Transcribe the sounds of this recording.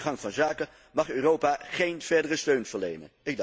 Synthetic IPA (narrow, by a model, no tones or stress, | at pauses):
χɑŋvɑnzaːkən | mɑχøːrowpaχejnv̥ɛɹdərəstøɥnvəɹlejnə̰nɪɡ̚d